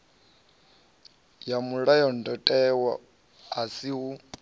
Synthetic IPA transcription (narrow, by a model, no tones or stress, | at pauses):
jamuɺajɔndɔtʼɛwa | asiɦu